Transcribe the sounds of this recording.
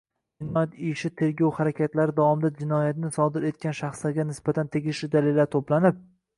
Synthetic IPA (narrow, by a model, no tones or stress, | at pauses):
mɪnmat̪ɪʃɪt̪ʰe̞ɾɡʲɒwhaɾakʲʰat̪laɾɪd̪avɒmɪd̪ad͡ʒɪnɒjat̪ɪnɪsɒd̪ɪɾe̞t̪̚kʲʰanʃaχslaɾɡʲanɪsb̥at̪ʰant̪ʰe̞ɡʲɪʃlɪd̪alelːaɾt̪ʰoplanɪp̚